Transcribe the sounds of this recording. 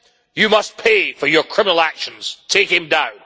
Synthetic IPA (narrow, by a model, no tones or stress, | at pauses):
jɨmʌs̚pʰefə˞jə˞kʰɹ̥ɪmənəl̩ˠækʃə̃nz̥tʰekɪ̃ŋdãʊ̃n